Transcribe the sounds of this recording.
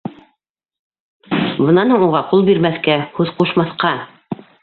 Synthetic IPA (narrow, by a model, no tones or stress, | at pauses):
bɤ̆nɑnhuɴuʁɑqulˠbiɾmæθkæhʉðquʃmɑθqɑ